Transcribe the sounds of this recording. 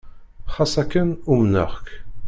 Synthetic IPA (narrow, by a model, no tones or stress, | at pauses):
χɑsækːənumnə̰ʁk